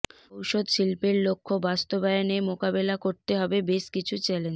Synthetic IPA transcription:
owʃod̪ʃilpeɾlokʰːobast̪obaenemokabelakoɾt̪eɦɔbebeʃkit͡ɕʰut͡ɕɛlen

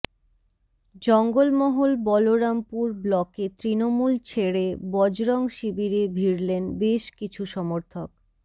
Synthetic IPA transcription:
d͡ʑɔŋɡolmɔɦolbɔloɾampuɾblɔket̪ɾinomult͡ɕʰeɽebɔd͡ʑɾɔŋʃibiɾebʱiɾlenbeʃkit͡ɕʰuʃɔmoɾt̪ʰok

